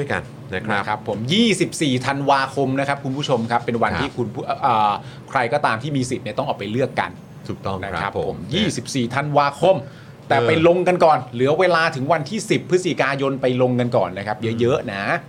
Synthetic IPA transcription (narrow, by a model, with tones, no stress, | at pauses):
du˥˩jka̰˧n | na˦a˦˥kʰa˦˥pʰːo˩˦mjiː˥˩si˨˩p̚siː˨˩t̪ʰa˧nwaː˧kʰo˧mna˦˥kʰa˦˥p̚kʰu˧npʰuː˥˩t͡ɕʰo˧mkʰa˦˥pːe˧nwa˧nt̪ʰiː˥˩kʰu˧npʰu˥˩ʔəː˨˩ | kʰɾa˧jkɔː˥˩t̪aː˧mt̪ʰiː˥˩miː˧si˨˩t̪̚ni˥˩t̪ɔ˥˩ʔːkpa˧jlɯ˥˩əkːa̰˧n | t̪ʰu˨˩t̪ɔ˥˩na˦˥kʰa˦˥pʰːo˩˦mjiː˥˩si˨˩p̚siː˨˩t̪ʰa˧nwaː˧kʰo˧m | t̪ɛː˨˩pa˧jlo˧ŋka˧nkɔː˨˩nlɯ˩˦ɐweː˧laː˧t̪ʰɯ˩˦ŋwa˧nt̪ʰiː˥˩si˨˩pʰːɯ˦˥t̪̚si˨˩kaː˧jo˧npa˧jlo˧ŋka˧nkɔː˨˩nːa˦˥kʰa˦˥p̚jɤ˦˥jɤ˦˥ʔna˦˥